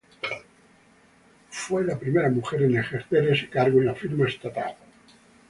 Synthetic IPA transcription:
fwelapɾimeɾamuxeɾenexeɾθeɾese̥kaɾɣoenafiɾmaest̪at̪a̰l

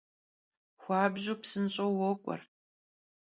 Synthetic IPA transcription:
xʷaːbʑupsɨnɕʼowɔkʷʼɔ̰r

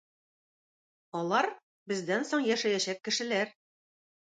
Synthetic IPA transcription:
ɒlˠɑɾ | bɘ̆zd̪ænsoɴjæʃæjæɕækːɘ̆ʃɘ̆læɾ

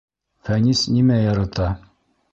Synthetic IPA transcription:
fænisnimæjɑɾɑt̪ɑ

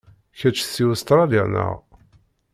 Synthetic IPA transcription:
çæt͡ʃːθːiwəst̪ɾˤɑliʁnə̰ʁ

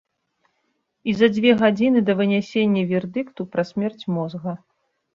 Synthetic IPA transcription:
izɐd͡zʲvʲɛɣad͡zʲinɨd̪ɐvɨnʲɛsʲenʲːɐvʲɛrd̪ɨkt̪upɾɐsʲmʲɛrt͡sʲmɔzɣɐ

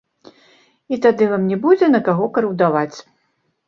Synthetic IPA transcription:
it̪ad̪ɨvamnʲɛbud͡zʲɛnɐkaɣɔkɐɾɨwd̪avat͡sʲ

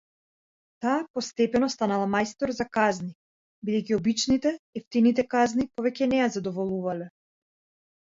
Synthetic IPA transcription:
t̪aːpɔst̪ɛpɛnɔst̪analˠamajst̪ɔɾzakazni | bid̪ɛjcʲiɔbit͡ʃnit̪ɛɛft̪init̪̬ɛkaznipɔvɛcʲɛnɛjazad̪ɔvɔlˠuvalɛ

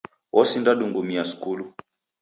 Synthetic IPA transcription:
wʔɔsindaɗuŋɡumiasu̥kulu

